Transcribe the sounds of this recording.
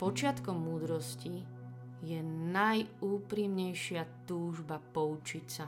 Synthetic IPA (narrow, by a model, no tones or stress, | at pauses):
pɔt͡ʃɪat̪kɔmːuːd̪ɾɔsci | jɛnajuːpɾimɲɛjʃɪat̪uːʒbapɔut͡ʃicsa